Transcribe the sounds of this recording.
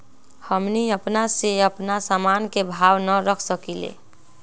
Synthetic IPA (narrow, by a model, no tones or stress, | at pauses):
həmniəpnaseəpnasamankebʱabnəɾəkʰsəkilḛ